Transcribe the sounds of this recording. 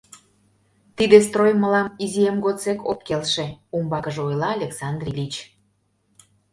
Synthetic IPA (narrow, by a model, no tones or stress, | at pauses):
t̪id̪est̪rojməlɑmizijemɡot͡sekop̚kelʃeumbɑkəʒeojlɑːlʲeksɑnd̪rʲilʲit͡ɕ